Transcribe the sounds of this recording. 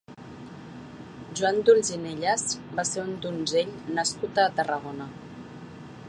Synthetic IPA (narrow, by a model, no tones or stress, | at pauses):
ʒuand̪ulzineʎasbaseɾund̪unzeʎnəskut̪aːt̪ərəɣ̞onə